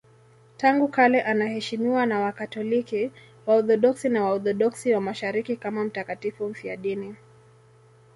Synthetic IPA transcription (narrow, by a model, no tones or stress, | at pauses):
taŋɡukalɛʔanahɛʃimiwanawakatɔliki | waɔθɔɗɔksinawaɔθɔɗɔksiwamaʃaɾikikamam̩takatifum̩fia̰ɗini